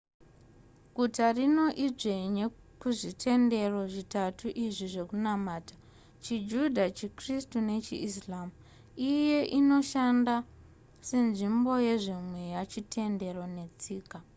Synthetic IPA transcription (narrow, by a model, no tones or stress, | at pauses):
ɡʱutarino̞ʔid͡ʐeɲe | kuʐitʰe̞nde̞roʐitatʰuʔiʐiʐe̞kunamaːta | t͡ʃid͡ʒudʱat͡ʃikristune̞t͡ʃḭislamu | ije̞ʔino̞ʃanda | se̞nʐimbo̞je̞ʐimwe̞jat͡ʃitʰe̞nde̞ro̞ne̞t͡siːka